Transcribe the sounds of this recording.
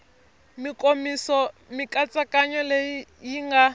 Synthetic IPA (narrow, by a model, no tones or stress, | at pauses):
mikʼomisɔmikʼat͡sʼakʼaɲɔlejijiŋɡa